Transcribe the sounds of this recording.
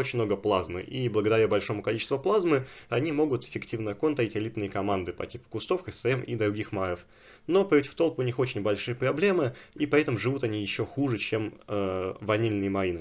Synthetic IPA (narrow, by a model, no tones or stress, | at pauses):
ot͡ɕɪnʲmno̞ɡəplˠazmɨ̰ʔiblˠəɡəd̪ɐɾʲabɐlʲʂo̞mʊkɐlʲit͡ɕɪ̥st̪vʊplˠazmɨɐnʲimo̞ɡʊt̪ɪ̥fʲɪktʲivnəko̞nt̪əɾʲɪtʲɪlʲit̪nɨjəkɐmand̪ɨpɐ̰tʲipʊ̥kʊst̪o̞fkəsɛmḭd̪ɾʊɡʲixmaɾəf | no̞pɾʲotʲɪ̥ft̪o̞lˠpʊnʲixo̞t͡ɕɪnʲbɐlʲʂɨjəpɾɐblʲe̞mɨipʲɪɛt̪əmʐɨvut̪ɐnʲijɪɕːo̞xuʐɨt͡ɕem | vɐnʲelʲnɨjəmɐɾinɨ